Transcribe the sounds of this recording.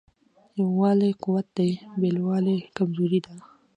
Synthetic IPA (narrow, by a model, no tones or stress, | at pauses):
jawːɑlequwat̪̚d̪ajbelwɑlekamzoɾid̪a